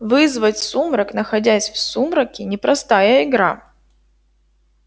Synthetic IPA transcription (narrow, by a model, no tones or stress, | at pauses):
vɨzvətʲsumɾɐknəxɐdʲæsʲfsumɾɐkʲɪnʲɪpɾɐst̪ajəɪɡɾa